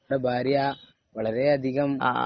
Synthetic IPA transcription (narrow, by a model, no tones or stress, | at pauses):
ɽebʱaːɾja | ʋɐɭɐɾeɐd̪ʱiɣɐm̰